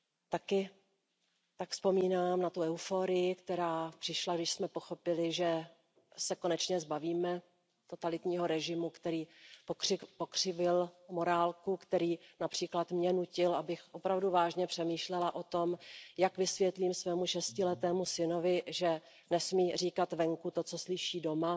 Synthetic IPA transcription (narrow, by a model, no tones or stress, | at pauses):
t̪akɪ | t̪akfspo̞miːnaːmnat̪uʔɛufoːɾɪjɪkt̪ɛɾaːpr̥ɪʃlaɡdɪʃsmɛpo̞xo̞pɪlɪʒɛ | sɛko̞nɛt͡ʃɲɛzbaviːmɛ | t̪o̞t̪alɪt̪ɲiːɦo̞ɾɛʒɪmukt̪ɛɾiːpokrɪpo̞kr̝̥ɪvɪlmo̞ɾaːlkukt̪ɛɾiːnapr̥iːklat̪mɲɛnucɪlʔabɪxʔo̞pɾavduvaːʒɲɛpr̥ɛmiːʃlɛlaʔo̞t̪o̞mjakvɪsvjɛt̪liːmsvɛːmuʃɛscɪlɛt̪ɛːmusɪno̞vɪʒɛ | nɛsmiːriːkat̪vɛŋkut̪o̞t͡so̞slɪʃiːdo̞ma